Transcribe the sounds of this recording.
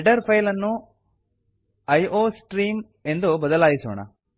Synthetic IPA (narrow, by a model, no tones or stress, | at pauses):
ɖɐɾpʰɐjlɐnːu | ɐjoːsʈɾiːm | end̪ubɐðɐlaːjiso̰ːɳa̰